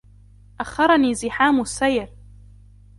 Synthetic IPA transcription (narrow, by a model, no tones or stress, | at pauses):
ʔaxːɑɾˤɑniːzɪħaːmʊsːajɾ